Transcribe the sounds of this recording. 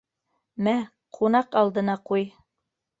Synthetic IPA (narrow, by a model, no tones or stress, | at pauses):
mæ | qʰunɑqɑlˠd̪ɤ̆nɑquj